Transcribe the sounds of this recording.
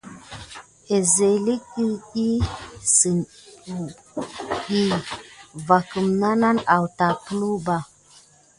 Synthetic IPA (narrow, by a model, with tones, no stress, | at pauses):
e˨ze˨li˦ki˦ɗi˦si˨nu˨ | ɗi˦ | va˨kə˨mna˦na˦na˨wta˨klu˦ba˨